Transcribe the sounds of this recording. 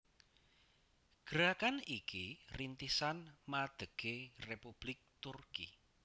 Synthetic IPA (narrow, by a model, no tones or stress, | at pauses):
ɡ̥əɾakanikirint̪isanmad̪̥əɡ̥erepub̥lɪk̚t̪urkḭ